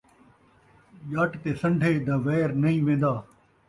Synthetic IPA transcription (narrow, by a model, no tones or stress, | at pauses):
ʄaːʈt̪eːsə̃ɳɖʱeːd̪ɐʋɛːɾnɐɦĩːʋẽːnd̪aː